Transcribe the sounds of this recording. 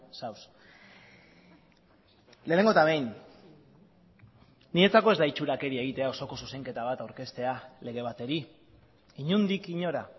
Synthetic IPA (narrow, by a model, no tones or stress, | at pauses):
saws | leːneŋɡot̪aβejn | nie̞t͡sako̞e̞zd̪ait͡ʃuɾake̞ɾie̞ɣ̞it̪e̞ao̞so̞ko̞suse̞ŋke̞t̪aβ̞at̪awɾke̞st̪e̞ale̞ɣe̞β̞at̪e̞ɾi | iɲund̪ikiɲo̞ɾa